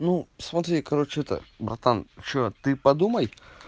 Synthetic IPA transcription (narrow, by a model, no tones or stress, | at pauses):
nusmɐt̪ɾʲikɐɾot͡ɕɪɛt̪ə̰bɾɐ̰t̪ant͡ɕot̪ɨpɐd̪uməj